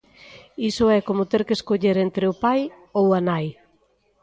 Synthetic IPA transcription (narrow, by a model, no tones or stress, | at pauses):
isoɛkomot̪eɾkeskoʎeɾent̪ɾeopaj | owanaj